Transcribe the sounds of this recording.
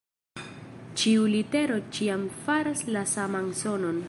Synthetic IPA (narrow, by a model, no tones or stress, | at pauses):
t͡ʃiulite̞ɾo̞t͡ʃiamfaɾaslasamanso̞no̞n